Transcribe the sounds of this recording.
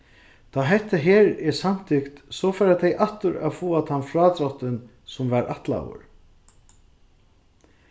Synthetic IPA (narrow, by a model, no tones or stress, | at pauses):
t̪ʰaːɦɛt̪ːaɦeːɾɛsam̥t̪ʰɪkt̪sɔfɛːɾat̪ʰɛjʔaht̪ʊɾa̰ðfuːat̪ʰamfɾaːt̪ɾɔht̪ɪn | sʊmvaɾʔaht̪la̰wʊ̰ɾ